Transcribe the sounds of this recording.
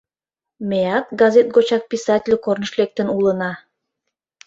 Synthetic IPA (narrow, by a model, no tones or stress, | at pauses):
mʲeɑt̪̚ɡɑzʲet̪̚ɡot͡ɕɑk̚pʲisɑtʲɪlʲkornə̆ʃlek̚t̪ə̆nulˠə̆nɑ